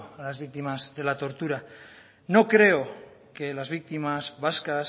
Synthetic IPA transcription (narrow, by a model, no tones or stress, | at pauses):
alazβik̚t̪imazðe̞lat̪o̞ɾt̪uɾa | no̞kɾe̞o | ke̞lazβik̚t̪imazβaskas